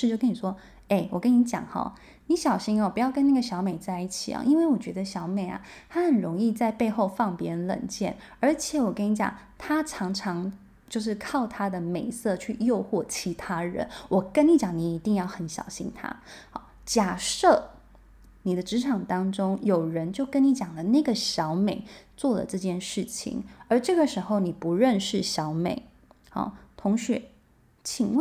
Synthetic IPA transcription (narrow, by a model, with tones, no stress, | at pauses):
ʂɻ̩˥˧t͡ɕjkə˥ni˨˩ʂwɔ˥ | e˥˩ɪwɔ˨˩kə˥ni˧˥t͡ɕjɑ̰˨˩ŋxɑ̰˧˩ | ni˧˥ɕjɑ˨˩ʊɕi˥ŋɔ˧˩pu˧˥jɑ˥˩ʊkə˥na˥˩ɡə˩ɕjɑ˧˥ʊme˨˩ɪt͡sa˥˧ɪi˥˩t͡ɕʰḭ˨˩ɐ̰˨˩ʔi˥nwe˥˩ɪwɔ˨˩t͡ɕɥɛ˧˥d̪ə˧ɕjɑ˧˥ʊme˨˩ɪɐ̰˩t̪ʰa˥xə˨˩nɻʊ˧˥ŋi˥˧t͡sa˥˧ɪpe˥˧ɪxo˥˧ʊfɑ˥˩ŋpjɛ˥nlə̰˨˩nt͡ɕjɛ̰˥˩nə˞˧˥t͡ɕʰjɛ˨˩wɔ˨˩kə˥ni˧˥t͡ɕjɑ̰˨˩ŋ | t̪ʰa˥ʈ͡ʂʰɑ˧˥ŋʈ͡ʂʰɑ˧˥ŋ | t͡ɕjo˥˧ʊʂ̬ɻ̩˥˩kʰɑ˥˩ʊt̪ʰa˥d̪ə˨me˨˩ɪsɤ˥˧t͡ɕʰy˥˧jo˥˧ʊxwɔ˥˩t͡ɕʰi˧˥t̪ʰa˥ɻə̰˧˥nwɔ˨˩kə˥ni˧˥t͡ɕjɑ˨˩˦ŋni˧˩i˧˥t̪i˥˧ŋjɑ˥˩ʊxə˨˧˥nɕjɑ̰˨˩ʊɕḭ˥nt̪ʰa̰˥ɑ̰˧˩ | t͡ɕja˨˩ʂɤ˥˩ | ni˨˩d̪ə˦ʈ͡ʂɻ̩˧˥ʈ͡ʂʰɑ˨˩ŋt̪ɑ˥ŋʈ͡ʂʊ˥ŋjo˨˩ʊɻə˧˦˥nt͡ɕjo˥˩ʊkə˥nni˧˥t͡ɕjɑ˨˩ŋlə˦na˥˩ɪɡə˩ɕjɑ˧˥ʊme˨˩ɪt͡swɔ˥˩lə̰˩ʈ͡ʂɤ˥˧t͡ɕjɛ˥˩nʂɻ̩˥˩t͡ɕʰḭ˨˩ŋə˞˧˥ʈ͡ʂɤ˥˩ɡə˩ʂɻ̩˧˥xo˥˧ʊni˨˩pu˧˥ɻə˥˧nʂɻ̩˥˩ɕjɑ˧˥ʊmḛ˨˩ɪ | ɑ̰˥˩t̪ʰʊ˧˥ŋɕɥɛ˧˥ | t͡ɕʰi˨˩ŋw